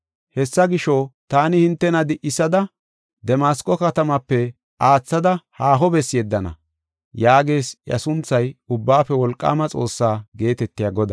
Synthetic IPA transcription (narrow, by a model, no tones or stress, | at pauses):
hɛsːɐɡɪʃɔt̪aːnɪhɪnt̪ːɛnɐd̪ɪʔɪsɐd̪ɐ | d̪ɛmaːskʼɔkɐt̪ɐmɐpːɛ | ʔaːt͡sːɐd̪ɐhaːɦɔbɛsjɛd̪ːɐnɐ̰ | jaːɡe̞ːsjɐ̰sʊnt͡sːɐjʊbːaːfɛwɔlkʼːa̰ːmɐt͡sʼo̞ːsːaːɡe̞ːt̪ɛt̪ːɪjaːɡɔd̪ɐ